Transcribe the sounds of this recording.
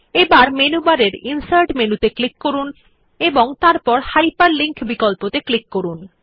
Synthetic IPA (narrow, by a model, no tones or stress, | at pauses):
ebaɾmenubaɾeɾinsaɾʈmenut̪eklikːoɾun | eboŋt̪aɾpɔɾhajpaɾliŋkbikɔlpot̪eklikːoɾun